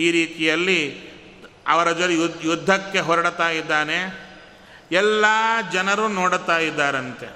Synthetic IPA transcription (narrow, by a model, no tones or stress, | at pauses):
iːɾiːt̪ijɐlːi | ɐʋɐɾɐd͡ʒɐɾujud̪ʱːɐkːe̞ɦɔɾɐɽt̪aːjid̪ːaːne̞ | ɛlːaːd͡ʒɐnɐɾunoːɽt̪aːjid̪ːaːɾɐnt̪e̞